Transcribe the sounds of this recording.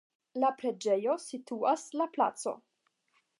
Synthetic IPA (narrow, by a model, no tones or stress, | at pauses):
lapɾe̞d͡ʒe̞jo̞sitʰuaslapla̰t͡so̞̰